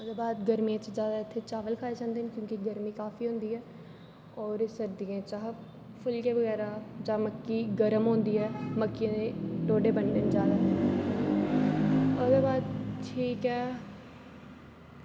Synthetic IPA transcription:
ʊsd̪eːbaːd̪ɡəɾmijãːt͡ʃzjaːd̪aːɪt̪ʰːeːt͡ʃaːʋəlkʰaːed͡ʒãːnd̪eːnkjõːkiɡəɾmiːkaːfiːɦʊ̃nd̪iːɛː | ɔːɾsəɾd̪iãːt͡ʃaːɦ | pʰʊlkeːʋəɣɛːɾaːd͡ʒãːməkːiːɡəɾəmɦõːnd̪iːɛːməkːij̃ːd̪eːʈoːɖeːbəɳɖənd͡ʒaːd̪aː | ʊsd̪eːbaːd̪ʈʰiːkɛː

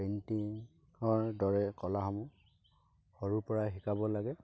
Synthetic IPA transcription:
entiŋ | ɔɹdɔɹɛkɔlaɦamʊ̃ | hɔɹupɔɹaɦikabɔlaɡɛ

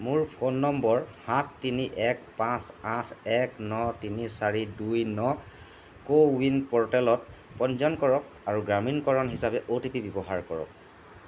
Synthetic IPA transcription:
mʊɹpʰonːɔmbɔɹhatʰːiniʔɛk̚pãsãtʰɛknɔtinisaɹidujnɔ | kowinpɔɹtɛlɔtpɔnzɔnkɔɹɔk | aɹuɡɹaminkɔɹɔnɦisapɛʔotipibɔbɔɦaɹkɔɹɔ̰k̚

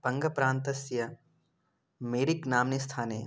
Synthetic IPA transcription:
pɐ̃ŋɡɐpɾaːnt̪ɐsjɐ | meːɾiknaːmnist̪ʰaːnḛː

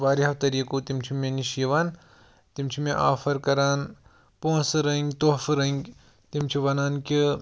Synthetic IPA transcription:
ʋaːɾiɦɐʋt̪ɐɾiːkut̪imt͡ʃʰimẽniʃjiʋaːn | t̪imt͡ʃʰimẽʔa̰ːfʰɐɾkɐɾaːn | põːsɾɐ̃ŋɡʲt̪ofɾɐŋɡ | t̪imt͡ʃʰiʋɐnaːnki

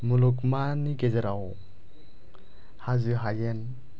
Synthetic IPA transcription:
mulukmanikezɛɾaw | hazɯɦajɛn

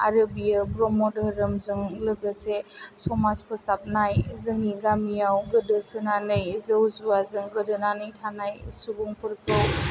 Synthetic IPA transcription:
a̰ɾɯbijɯbɾɔmɔdəɾɯmzɯŋlɯɡəsesɔmaspʰɯsap̚najzɯŋiɡamijawɡɯdɯsɯnanɯjzəwzuazɯŋɡɯdɯnanɯjtʰanajsubuŋpʰɯɾkʰɯw

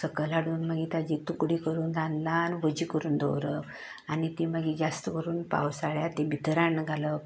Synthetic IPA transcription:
səkəlaɽuːnmaɡit̪ad͡ʑit̪ukɽikəɾuːnd̪anlanʋəd͡ʑiːkəɾuːnd̪ʱo̰wɾə | anit̪imaɡid͡ʑast̪əʋəɾuːnpa̰ʋsaɭjat̪ebʱit̪əɾaɳːəɡʱalə

